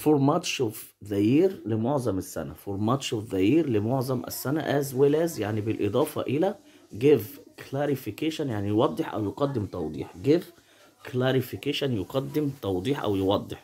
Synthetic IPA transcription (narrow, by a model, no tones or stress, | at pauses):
foɾmæt̪ʃoːf | ðˤæjiːɾlemoʕzˤɑmɪsːæ̰næ̰foɾˤmæt̪ʃofðæjiːɾlɪmoʕzˤɑmʔæ̰sːænæ̰ʔæzwelæzjaʕnibɪlʔed̪ˤɑːfɑ̰ʔelæ | ɡevklæɾifikeʃanjaʕnijwɑd̪ˤːeħʔæ̰wjoqɑd̪ːɪmt̪ˤɑwd̪ˤḭːħɡev | klæɾifikeʃænjoqɑd̪ːɪmt̪ˤɑwd̪ˤiːħʔæ̰wjewɑd̪ˤːeħ